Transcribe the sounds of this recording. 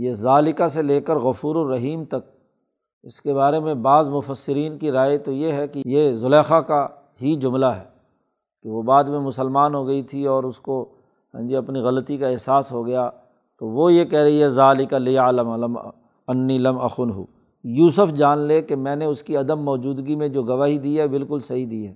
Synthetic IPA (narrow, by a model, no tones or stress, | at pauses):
jezaːlɪkaseleːkəɾɣɐfuːɾoɾːɐɦiːmt̪ɐk̚ | ɪskebaːɾemẽbaːzmʊfəsːɪɾiːnkiɾaːet̪ojeɦɛkejezʊlɛːxaka | ɦid͡ʒʊmlaɦɛː | keʋobaːd̪mẽmʊsəlmaːnɦoɡɐit̪ʰiɔːɾʊsko | ɦɛ̃nd͡ʒiɐpniɣɐlət̪ikaɪɦsaːsɦoɡɐja | t̪oʋojekɛɦɾɐɦiɦɛzaːlɪkalialəmləm | ɐnːiːlɐmɐxʊnɦṵ | juːsʊfd͡ʒaːnlekemɛ̃ːneʊskiɐd̪əmːɔːd͡ʒuːd̪ɡimẽd͡ʒoːɡɐʋaːɦid̪iɦɛbɪlkʊlsɐɦid̪iːɦɛː